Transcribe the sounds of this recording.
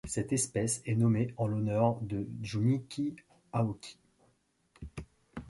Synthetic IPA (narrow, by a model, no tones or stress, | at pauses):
sɛt̪ɛspɛsɛnɔmeɑ̃lɔnœʁd̪əʒunikʲi | aokʲʰi̥